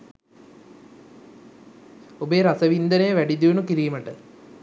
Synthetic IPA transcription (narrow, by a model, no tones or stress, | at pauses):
obeːɾasəʋind̪ənejəʋæɖid̪iʋunukiɾiːməʈə